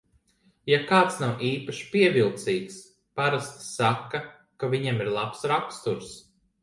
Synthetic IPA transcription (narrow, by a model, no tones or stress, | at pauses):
jakaːt̪snawʔiːpaʃi̥piɛvilˠt̪siːks | paɾast̪ːakːa | kaviɲɛmiɾlˠapsɾakst̪uɾs